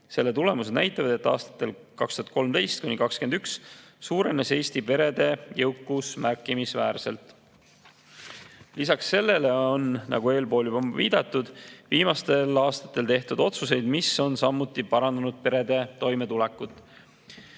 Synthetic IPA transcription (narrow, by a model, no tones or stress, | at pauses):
se̞lːe̞t̪ule̞mused̪næ̰jt̪ːˑɑvɑd̪̥e̞t̪ːˑɑ̰ːst̪ɑ̥t̪ːˑe̞l | kɑkst̪uɦɑt̪̚ko̞lmt̪e̞jst̪̚kunikɑkske̞nd̪ykssuːɾe̞nese̞ːst̪ipe̞ɾe̞d̪̥e̞jewkːˑusmærkˑːimisvæːrse̞̰lt̪ | lisɑksːe̞lːe̞le̞o̞nnɑ̰ɡ̥ue̞ːlpo̞ːljyb̥ɑviːd̪̥ɑt̪ːˑud̪̥viːmɑst̪e̞lɑːst̪ɑ̥t̪ːˑe̞lt̪e̞ht̪ud̪o̞t̪suse̞jd̪̥miso̞nsɑmːut̪ːˑipɑɾɑnd̪̥ɑnud̪̥̚pe̞ɾe̞d̪e̞t̪o̞jme̞t̪ulɛkːˑut̪ːˑ